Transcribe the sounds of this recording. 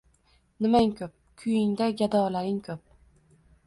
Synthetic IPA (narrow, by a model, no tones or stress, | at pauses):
nɪmaŋkʰʲɵp̚kʲʰʊjɪŋd̪aɡʲad̪ɒlaɾɪŋkʰɵp̚